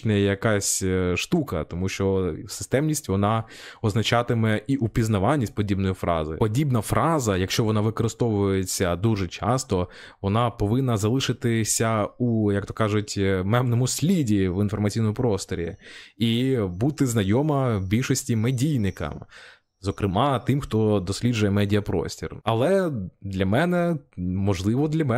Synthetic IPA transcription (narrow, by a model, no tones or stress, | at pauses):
nɛjɛjɐkɑsʲʃt̪ukɐ̰t̪ɔmuʃt͡ʃɔsɪ̥st̪ɛmnʲisʲtʲʋɔnɑ | ɔznɐt͡ʃɑt̪ɪmɛiʔupʲiznɐʋɑnʲːisʲtʲpɔdʲibnɔjifɾɑ̰zɪ̰pɔdʲibnɐfɾʔɑzɐjɐkʃt͡ʃɔʋɔnɑʋɪkɔɾɪst̪ɔʋʊjet͡sʲːɐd̪uʒɛt͡ʃɑ̰st̪ɔ | ʋɔnɑpɔʋɪnːɐzɐlˠɪʃɪt̪ɪsʲɐujɐk̚t̪ɔkɑʒʊtʲmɛbnɔmʊsʲlʲidʲiʋinfɔrmɐt͡sʲijnmʊpɾɔst̪ɔɾʲḭibut̪ɪznɐjɔmɐbʲilʲʃɔsʲtʲimedʲijnɪkɐ̰m | zɔkɾɪmɑt̪ɪmxt̪ɔd̪ɔsʲlʲidd͡ʒʊjɛmɛdʲiɐpɾɔ̰sʲtʲḭrɐlˠɛd̪lʲɐmɛnɛmɔʒlˠɪʋɔd̪lʲɐmɛ